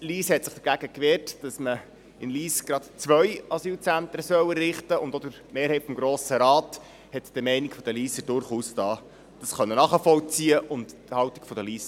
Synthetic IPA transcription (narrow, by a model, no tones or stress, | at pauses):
liːshɛtsɪχd̥əɾɡæɡ̥əkʋeːɾtd̥ɑsmə | ɪnliːsɡ̥ɾɑt̪t͡sʋœʏɑsyːlt͡sænt̪ɾəsœwərːɪχtəʊndɔd̪əɾ | meːɾɦhɛɪtfɔmɡɾoːsəɾɑːt | hɛt̪d̥əmɛɪnikfɔd̥əliːsəd̥ʊɾχuːstɑː | d̥ɑsχœnːənɑːχəfɔlt͡siːəʔʊnt | hɑwti̥ɡ̥fɔdəliːs